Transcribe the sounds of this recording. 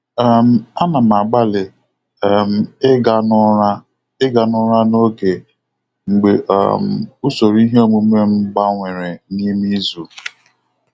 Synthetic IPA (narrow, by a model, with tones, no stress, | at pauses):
m̩˦a˦na˨ma˨ɡ͡ba˦lɪ˨˦˨ | m̩˨˦ɡa˦n˦ɾa˦ | ɪ˦ɡa˨nʊ˦ɾa˦no˦ke˨ | ŋ͡m̩˨ɡ͡be˨ʔm̩˨u˦so˨ɾi˦ɦe˦o˦mu˨me˦ŋ͡m̩˦ɡ͡ba˦ŋʷe˨ɾe˨ni˦mi˦zu˨